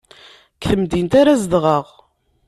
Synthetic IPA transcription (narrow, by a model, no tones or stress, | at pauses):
kθəmd̪int̪aɾazəd̪ʁəʁ